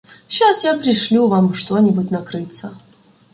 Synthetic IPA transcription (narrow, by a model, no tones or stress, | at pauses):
ɕasjapɾʲɪʂlʲuvamʂt̪onʲɪbʊtʲnɐkɾɨt̪sə